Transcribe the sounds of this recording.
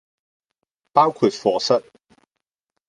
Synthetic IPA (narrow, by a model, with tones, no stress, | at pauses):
paː˥wkʰu˨˧t̚fɔː˨˧sɐ˥t̚